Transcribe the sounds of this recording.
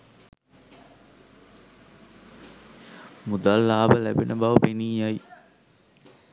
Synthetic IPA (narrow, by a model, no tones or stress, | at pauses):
mud̪alːaːʋəlæbenəbaʋəpeniːjaji